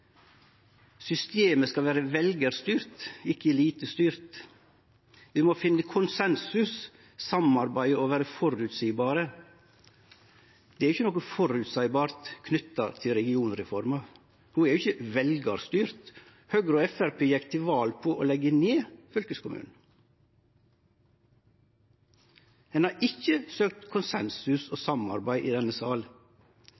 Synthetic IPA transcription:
sʏst̪eːməskɑʋæːɾəʋɛlɡəɾst̪yːɾt̪ɪkːəliːt̪əst̪yːɾt̪ | ʋɪmɔfɪnːəkʰʊnsɛnsʉs | sɑmɑɾbæɪɔʋæːɾəfɔɾʉt̪siːbɑːɾə | d̪̥ɛæɾɪçːənɔkːəfɔɾʉt̪sæɪbɑːɾt̪kʰnʏt̪ːɑt̪ʰɪlɾɛɡɪuːnɾɛfɔɾmɑ | huːɛɾjʊɪçəʋɛlɡɑɾst̪yːɾt̪ | høɡɾoːɛfæɾpʰeːjɛkt̪ʰɪʋɑːlpʰoːʔoːlɛɡəneːfœlkəskʰʊmʉ̰ːnn̩ | hɛnɑːɾʔɪçəsøːk̚t̪kʰʊnsɛnsʉsoːsɑmɑ̰ɾbæɪʔiːd̪ɛnəsɑːl

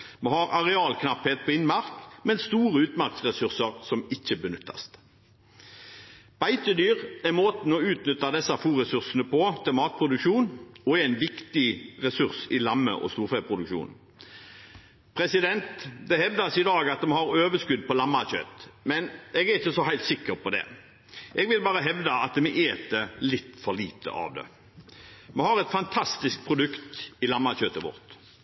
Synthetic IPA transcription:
mɔhɑɾɑʁɛɑːlkʰnɑpheːt̪̚pʰɔɪnmɑʁkmɛnst̪uːʁəʉːt̪mɑʁksʁɛsʉʁsəʁsɔmɪçːəbənʏt̪ʰːɑ̰st̪ | b̥æɪt̪əd̪yːʁæmoːt̪n̩ɔʉːt̪nʏt̪ːɑd̪ɛsːɑfuːʁɛsʉʁsənəpʰɔt̪ʰɛmɑːt̪̚pʰʁʊd̪ʉkʃuːnɔæɪnʋɪkt̪ɪʁɛsʉʁsɪlɑmːə̰ʔɔ̰st̪uːɾfɛpʰʁʊd̪ʉkʃṵːn | pʰɾɛsɪd̪ɛnt̪d̪ɛhɛʋd̪ɑsɪd̪ɑːɡɑt̪̚mɛhɑɾøːʋəskʉd̪ːpɔlɑmːɑçø̰ːt̪mɛnɛɡæɪçəsɔhæɪlt̪sɪkːəʁpʰɔd̪ɛ̰ | ʔɛɡʋɪlbɑːɾəɦɛʋd̪ɑɑt̪d̪ɛmɛʔeːt̪̚d̪əlɪt̪ːfɔliːt̪ʰə̰ʔɑ̰ʋd̪ɛ̰ | mɛhɑɾɛt̪fɑnt̪ʰɑst̪ɪsk̚pʰɾʊd̪ʉkt̪ɪlɑmːɑçøːt̪əʋɔ̰ʁt̪

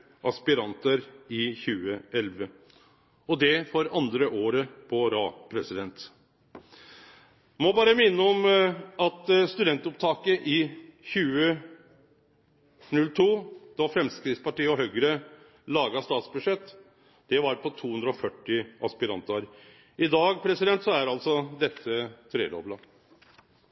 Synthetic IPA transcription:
ʔɑspɪɾɑnt̪əɾɪçʉːəɛlʋə | ɔd̪ɛfɔɾɑnd̪ɾəʔoːɾəpʰɔɾɑːpʰɾɛsɪd̪ɛnt̪ | mɔbɑːɾəmɪnːəɔmɑt̪st̪ʉd̪ɛnt̪ʊp̚t̪ʰɑːkəʔɪçʉːə | nʉlt̪ʰuːd̪̥ɑfɾɛmskɾɪːspɑʈiːəɔɦœɡɾə | lɑːɡɑst̪ɑːt̪sbʉʂɛt̪ː | d̪̥ɛʋɑɾpʰɔt̪ʰuːhʉnd̪ɾɔfœʈːɪʔɑspɪɾɑ̰nt̪ɑɾ | ʔɪd̪ɑːɡpʰɾɛsɪd̪ɛnt̪sɔæɾɑlsɔd̪ɛt̪ʰːət̪ʰɾḛːd̪ɔ̰blɑ

